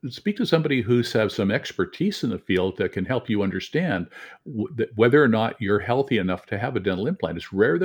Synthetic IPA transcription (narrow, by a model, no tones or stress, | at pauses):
spik̚tʰɨsʌ̃mbɑɾiɦʉsɨv̥sʌ̃mɛkspə˞tʰiz̥ɨ̃n̩ðɨfilˠd̪̚ðɨt̚kʰɨ̃nhɛlˠpʰjɨʌ̃ndə˞stæ̃n | ðɨwɛðə˞ːnət͡ʃə˞hɛlˠθiɨnʌftʰɨːvɨdɛ̃nl̩ˠɪ̃npʰl̥æ̰̃nɨtsɹɛɹð